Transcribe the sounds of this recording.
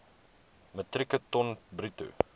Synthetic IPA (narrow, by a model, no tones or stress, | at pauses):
mət̪rikətɔnbryt̪ṵ